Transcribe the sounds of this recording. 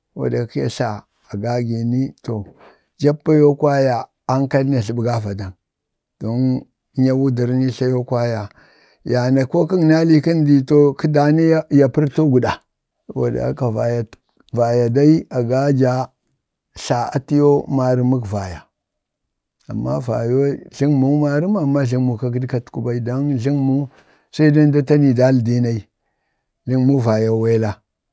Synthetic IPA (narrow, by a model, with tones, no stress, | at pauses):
wa̰˨da˨˦ki˦ja̰˨ɬa˨ | a˨ɡa˦ɡi˨ni˦to˨ | d͡ʒa˦pːa˦jo˦kwa˦ja˨ | a˦ŋka˦ln˦a˨ɬi˨ɓɡa˦va˨da˨n | d̥o˨˦n˦ | ɲa˦wu˦di˨ɾni˦ɬa˦jo˦kwa˦ja˨ | ja˨na˨ko˦ki˦ŋna˦li˦ki˦ndi˨to˦ki˦da˨ni˦ja˨pi˦ɾto˦ɡu˨da˨ | wa̰˨da̰˨˦ka˨va˨ja˨ | va˨ja˨da˦i˦a˨ɡa˦d͡ʒa˨ | ɬa˨a̰˨ti˦jo˦ma˨ɾi˦mu˦kva˨ja˨ | a̰˨mːa̰˦va˨jo˦ɮi˦ŋmu˦ma˦ɾi˦m˦a˨mːa˦ɮi˦ŋmu˨ka˦ki˦dka˦tku˦ba˦i˦do˦nɮi˦ŋmu˦ | sa˦i˦da˦n˦da˦ta˦ni˨da˦ldi˦na˨i˦ | ɮi˦ŋmu˦va˨ja˨we˦la˦